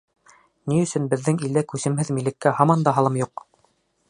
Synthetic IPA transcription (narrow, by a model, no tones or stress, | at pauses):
niɵ̆sɵ̆nbɘ̆ðːɘŋild̪ækʉsɘ̆mhɘðmilːɘ̆kːæɦɑmɑnd̪ɑɦɑlˠɤmjuq